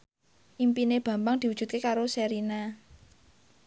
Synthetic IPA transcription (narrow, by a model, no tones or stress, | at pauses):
ʔimpineb̥ä̤mbaŋd̪̥i̤wud̥ʒ̥ṳt̪̚kekaɾosɛɾina